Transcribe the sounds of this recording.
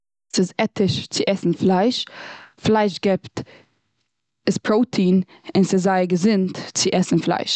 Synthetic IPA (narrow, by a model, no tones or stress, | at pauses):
sɪzɛtɪʃt͡sɪʔɛsn̩flˠaɪʃflaɪʃɡɛpt | ɪspʰɾoʊtʰiːn | ɪnsɪzaɪɡəzɪntt͡sɪʔɛsn̩flˠa̰ɪʃ